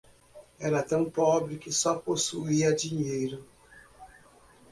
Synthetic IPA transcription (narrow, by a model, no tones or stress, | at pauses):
ɛɾatɐ̃ŋpɔbɾɪkɪsɔposuiadiɲejɾʊ